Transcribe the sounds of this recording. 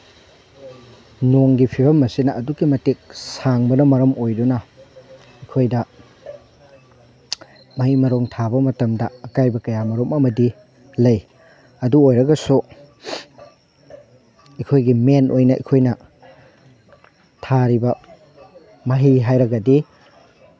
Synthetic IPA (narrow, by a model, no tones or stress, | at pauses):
noŋɡipʰibɐmɐsinɐʔɐdukimɐtik̚saŋbɐnɐmɐɾɐmojdunɐ | ikʰojdɐ | mɐhimɐɾoŋtʰabɐmɐtɐmdɐːkajbɐkɐjamɐɾomɐmɐdi | lɐj | ɐduojɾɐɡɐsu | ikʰojɡimenʔojnɐʔḭkʰojnɐ | tʰaɾibɐ | mɐɦiɦajɾɐɡɐdi